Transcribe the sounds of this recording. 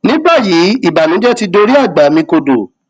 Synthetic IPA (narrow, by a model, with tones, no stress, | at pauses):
nĩ˨˦ba˦˨ji˨˦i˦˨ba˨nũ˨˦d͡ʒɛ˦ti˧do˧ɾi˦a˦˨ɡ͡ba˨˦mĩ˧ko˧do̰˨